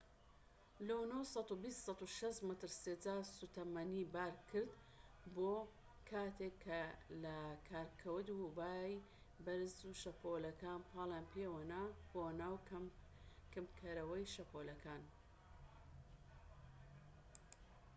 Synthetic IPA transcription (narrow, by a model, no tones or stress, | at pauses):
lownowsɑt̪ubist̪sɑt̪uʃɐʃt̪mɐt̪ɨɾseːd͡zaːsut̪ʰɐmɐnibaːɾkʰɨɾd̪ | boː | kʰaːt̪ʰekʰːɐlɐkʰaːɾkʰɐwɨd̪hubaːj | bɐɾzuʃɐpʰolɐkaːnpʰɑːlˠjaːnpʰewanaːb̥onaːw | kɨmkʰɐɾɐwɐjʃɐpolɐkʰaːn